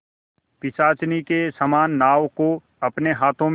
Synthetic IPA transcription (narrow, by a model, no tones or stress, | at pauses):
pɪsaːt͡ʃnikesəmaːnːaːʋko | ɐpneɦaːt̪ʰõm